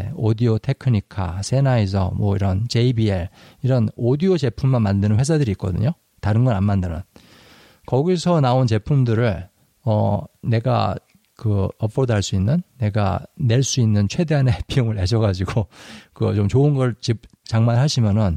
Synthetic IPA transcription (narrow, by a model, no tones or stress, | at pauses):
odiotʰe̞kʰɯɲikʰa̰sʰe̞naes̬ʰʌ̰mwʌḭɾʌnt͡ɕe̞ibieɭiɾʌnodiot͡ɕe̞pʰumːanmandɯnɯnɸwe̞s̬ʰadɯɾiːt̚k͈ʌdɯ̰ɲo | taɾɯnɡʌnanmandɯnɯ̰n | kʌɡisʰʌnaont͡ɕe̞pʰumdɯɾɯɭ | ʌne̞ɡa̰ | kɯʌpʰodaɭs͈uinːɯnːe̞ɡa̰ne̞ɭs͈uinːɯnt͡ɕʰwe̞de̞anepʰiɯŋɯɭeɕʰʌɡad͡ʑiɡokɯt͡ɕomt͡ɕoɯnɡʌɭt͡ɕip̚t͡ɕaŋmanɭɦaɕʰimjʌnɯn